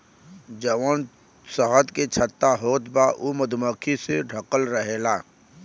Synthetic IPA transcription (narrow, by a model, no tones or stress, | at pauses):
d͡ʒəʋən | səɦət̪ket͡ʃʰət̪ːaɦoːt̪baʔuməd̪ʱməkʰiseɖʱəkəlɾəɦeːlaː